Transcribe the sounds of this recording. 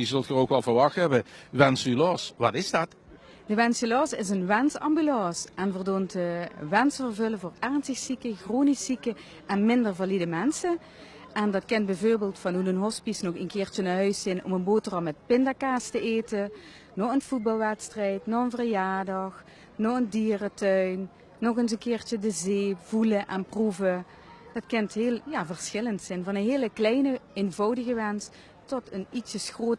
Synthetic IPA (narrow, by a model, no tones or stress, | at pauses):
jəzɵlˠtχəokʋɑlˠvəɹʋɑxtɦɛbəʋɛnsylɔsʋɑ̰tɪzdɑt | dəʋɛnsylɑːsɪ̰sənʋɛnsɑ̰mbylɑsʔɛnvərdoːntəʋɛnsfərvɵləvoːrɛɹnstəxsikəxroːnisikə | ʔɛnmɪndərvalidəmɛnsə | ʔɛndɑtkɪnt̚bɛvoːɹbeːlˠtfɑnunənɦɔspisnɔxənkɪːrtənaɦœɥsɪnɔ̰mənboːtərɑmɛt̚pɪndakaːstəʔeːtə | nɔxənv̥ut̚bɑlˠʋɛtstrɛjtnɔxənvərjaːɹdɑx | nɔxəndiːrətœɥnː | ɔɣənsənkɪːɹt͡ʃədəzeːv̥uləʔɛnpruvə | d̥ɑtkɪntɦeːlˠjaːvərsxɪləntsɪnvɑnənɦeːləklɛjnəenvɑwdəɣəʋɛns | tɔtʰənitsəsxroːt